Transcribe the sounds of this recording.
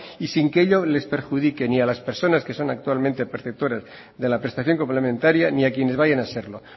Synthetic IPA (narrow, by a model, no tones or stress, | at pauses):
isiŋkeʎole̞spe̞ɾxuðike̞nialaspe̞ɾso̞naske̞so̞nak̚t̪ualmẽnt̪e̞peɾθep̚t̪o̞ɾaz | ðe̞lapɾe̞st̪aθjo̞ŋko̞mple̞mẽ̞nt̪aɾjaniakje̞neβajanase̞ɾlo̞